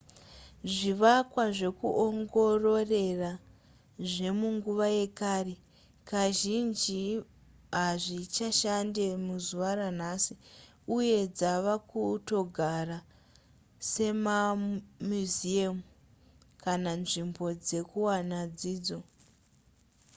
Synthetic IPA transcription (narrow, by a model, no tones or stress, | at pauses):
ʐiʋakwaʐe̞kuʔoŋɡo̞ro̞re̞ra | ʐe̞muŋɡuʋaje̞kaɾi | kaʒind͡ʒi | ɦaʐit͡ʃaʃandemuzuʋaɾan̤asi | uje̞d͡zaʋakuto̞ɡʱara | se̞mamuziamu | kananʐimbo̞d͡ze̞kuwanad͡ziːd͡zo̞